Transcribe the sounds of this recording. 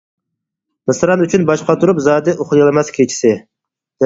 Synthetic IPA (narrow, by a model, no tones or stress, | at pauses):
mɨsɾɑnyt͡ʃʰynbɑʃqɑt̪ʰuɾupzɑːd̪ɪʔoχlˠjɑlˠɨmɛskʲʰet͡ʃʰi̥sɪ